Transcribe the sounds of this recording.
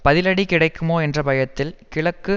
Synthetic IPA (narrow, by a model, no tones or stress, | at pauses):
pɐðɪlɐɽikɪɽɐɪkːɯmoːɛndrɐbɐjɐt̪ːɪlkɪɭɐkːɯ